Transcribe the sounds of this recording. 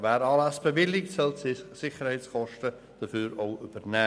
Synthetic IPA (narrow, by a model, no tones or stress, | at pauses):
vɛːɾɑːlæsb̥əvɪlːɪktsɔltssɪχəɾhɛɪt͡skɔʃtə | d̥əfyːɾoʊʔybəɾnɛː